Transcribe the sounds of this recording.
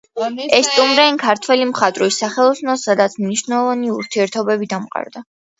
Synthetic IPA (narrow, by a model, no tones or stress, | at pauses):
ɛst̪ʼumɾɛinkʰaɾt̪ʰwɛlimχat̪ʼɾisaχɛlˠɔsnɔsad̪at̪sʰmniʃvnɛlˠɔvaniuɾt̪ʰiɛɾt̪ʰɔbɛbid̪amqʼa̰ɾd̪a